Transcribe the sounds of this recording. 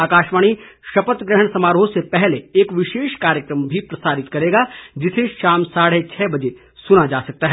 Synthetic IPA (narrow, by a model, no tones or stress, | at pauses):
aːkaːʃʋaːɽ̃iʃɐpət̪ɡɾəɦəɳ̃sɐmaːɾoːsepɛɦleːkʋɪʃeːʃkaːɾjəkɾəmbʱipɾɐsaːɾɪt̪kɐɾeːɡad͡ʒɪseʃaːmsaːɽ̤et͡ʃʰɛːbɐd͡ʒe | sʊnad͡ʒaːsɐk̚t̪aɦɛː